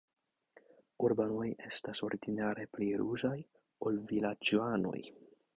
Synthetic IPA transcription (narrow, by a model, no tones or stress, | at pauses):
uɾbano̞je̞staso̞ɾidinaɾe̞pliɾuzaj | o̞lvilad͡ʒoano̞̰j